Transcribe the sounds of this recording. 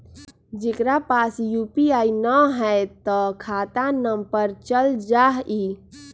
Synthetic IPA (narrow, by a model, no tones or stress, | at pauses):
d͡ʒekɾapaːsjupiaːinəɦɛt̪ɔkʰaːt̪anəmpəɾt͡ʃəld͡ʒaːɦi